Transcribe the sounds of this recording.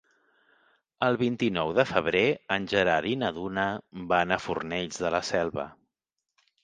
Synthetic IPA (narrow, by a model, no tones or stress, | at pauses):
əlˠβint̪inɔwðəfəβ̞ɾeənʲʒəɾaɾinəðunəbanəfurnɛʎzðələsɛlˠβə̰